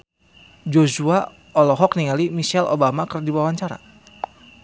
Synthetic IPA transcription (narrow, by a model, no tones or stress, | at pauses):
d͡ʒosua | ɔlɔɦɔkniŋalimiʃɛlʔo̰bamakərdiwawaɲt͡ʃaɾa̰